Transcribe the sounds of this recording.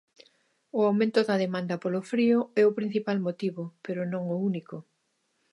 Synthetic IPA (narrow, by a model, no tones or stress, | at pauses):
ʊawmẽnt̪ʊðɐðemãnd̪ɐpolofɾiʊɛʊpɾin̟θipalmot̪iβopeɾʊnõŋʊunikʊ